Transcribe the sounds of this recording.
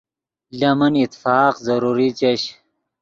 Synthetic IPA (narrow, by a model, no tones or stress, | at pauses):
lɐmɐnit̪faːqzɐɾuɾit͡ɕɐɕ